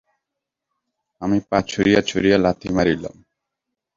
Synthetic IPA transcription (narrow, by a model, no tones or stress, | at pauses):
amipat͡ɕʰuɾijat͡ɕʰuɾijalat̪ʰimaɾila̰m